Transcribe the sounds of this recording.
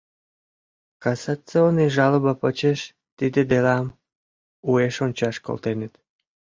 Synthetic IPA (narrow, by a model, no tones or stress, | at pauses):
kɑsɑt͡seoniʒɑləβɑpət͡ɕeʃ | t̪id̪ed̪elɑm | ueʃont͡ɕɑʃko̰lt̪enĕt̪